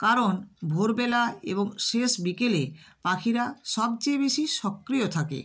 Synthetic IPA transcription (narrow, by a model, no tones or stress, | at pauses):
kaɾonbʱoɾbelaḛboŋʃeʃbikelepakʰiɾaʃɔb̚t͡ɕebeʃiʃɔkːɾijot̪ʰakḛ